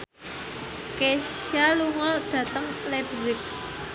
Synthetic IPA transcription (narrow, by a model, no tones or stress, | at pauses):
kesaluŋɔɖ̥ä̤t̪əŋlɛbzɪk̚